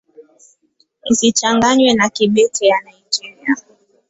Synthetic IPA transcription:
n̩sit͡ʃaŋɡaɲwɛnakiɓɛtʰijanaid͡ʒiɾia

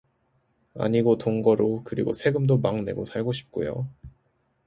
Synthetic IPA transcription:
a̰ɲiɡotoŋɡʌɾokɯɾḭɡo̰sʰeɡɯmdomaŋne̞̰ɡosʰaɭɡoɕʰi̥p̚k͈o̰jo̰

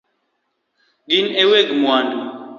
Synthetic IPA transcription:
ɡineweɡmwan

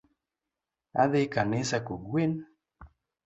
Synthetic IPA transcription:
aðɪkanɪsakoɡwen

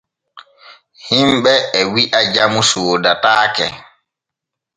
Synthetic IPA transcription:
himɓɛɛwiʔad͡ʒamusoːdataːkɛ̰

